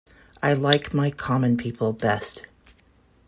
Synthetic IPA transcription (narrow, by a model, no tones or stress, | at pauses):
ʔaɪlaɪkmaɪkʰɑmɨ̃npʰipʰl̩ˠbɛst